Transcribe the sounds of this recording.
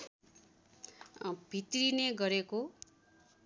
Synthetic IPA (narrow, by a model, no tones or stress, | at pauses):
bʱit̪rineɡʌɾeko